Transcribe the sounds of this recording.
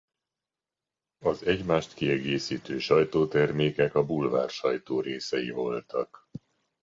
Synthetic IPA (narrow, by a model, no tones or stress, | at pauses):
ɒzɛɟmaːʃt̪kiɛɡeːsiːt̪øːʃɒjt̪oːt̪ɛrmeːkɛkɒbulva̰ːrʃɒjt̪oːɾeːsɛjḭvo̞lt̪ɒk